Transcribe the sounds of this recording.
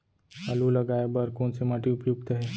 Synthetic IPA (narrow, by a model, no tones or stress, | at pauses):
alulɐɡaːebɐɾkoːnsemaːʈiʊpjuɡt̪əɦɛː